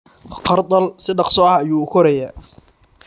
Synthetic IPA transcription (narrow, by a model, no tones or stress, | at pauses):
qʰɑrt̪ʼɐlsɪɖɑqsɔɐjuːʊkʰɔɾɐja